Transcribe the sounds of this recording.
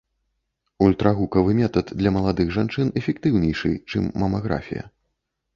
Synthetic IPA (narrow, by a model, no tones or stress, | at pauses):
ulʲt̪ɾɐɣukɐvɨmʲɛt̪ɐt̪d̪lʲɐmɐlˠad̪ɨɣʐant͡ʂɨnɛfʲɛkt̪ɨwnʲɛjʂɨ̰t͡ʂɨmːɐmaɣɾa̰fʲḭjɐ̰